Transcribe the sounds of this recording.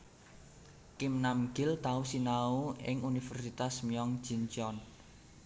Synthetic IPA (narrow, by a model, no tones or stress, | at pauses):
kɪmnamɡɪlt̪ausinaoɪŋunifɛrsit̪asmiɔŋ̥d͡ʒ̥int͡ʃɔn